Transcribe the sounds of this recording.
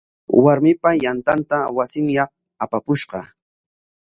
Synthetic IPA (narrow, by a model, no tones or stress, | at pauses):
waɾmɪpajant̪ant̪awasɪŋjɑχ | apapʊʃqɑ